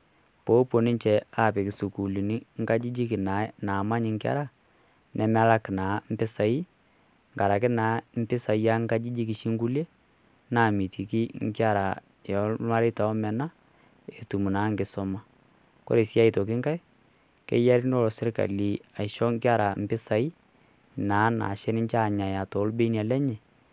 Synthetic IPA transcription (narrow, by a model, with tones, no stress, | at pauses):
po˨˦po˨nɪ˦ɲt͡ʃɛ˨a˦˨pɪ˨kɪ˨su˨ku˨li˨ni˦ŋ̩˦ka˦d͡ʒi˦d͡ʒi˦kɪ˨na˨˦naː˨ma˦ɲɪ˨ŋkɪ˦a̰˦ɾa˦˨ | nɛ˨m˦a˦la˦kɪ˨naː˨˦m̩˦pɪ˦sa˨i˦ | ŋɡa˨ɾa˨k̬ɪ˦naː˨˦m̩˦pɪ˦sa˨i˦ja˦ŋ˦ka˦d͡ʒi˦d͡ʒi˦kɪ˨ʃi˦ŋɡu˦le˦ | naː˨mi˨tʰi˨ki˦ŋ˦kɪ˦a˦˨ɾa˨ | jɔ˨˦a˦ɾe˦ta˨ɔ˦mɛ˨na˦ | e˨tu˨mu˨naː˨˦ŋɡɪ˨sɔ˦ma˦ | kɔ̰˦ɾe˨sa˦i˨tɔ˨k̬ɪ˦ŋka˦ɪ˦ | kɛ̰˦ja˦ɾi˦nɔ˦lɔ˨sɪ˦ɾka̰˨li˨a˨ɪ˨ʃɔ˦ŋkɪ˦a˦ɾa˨m̩˦pɪ˦sa˨i˦ | naː˨˦na̰˨ʃɛ˦nɪ˦ɲt͡ʃa˦˨ɲa˨ja˨tɔ˨˦lbe˦ni˨a˨lɛ˦ɲɛ˨